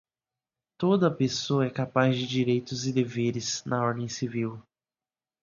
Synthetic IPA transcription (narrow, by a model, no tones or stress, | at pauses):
t̪od̪ɐpesoɐɛkapazd͡ʒɪd͡ʒiɾejt̪ʊzɪd̪eveɾɪznɐɔɾd̪ẽj̃siviw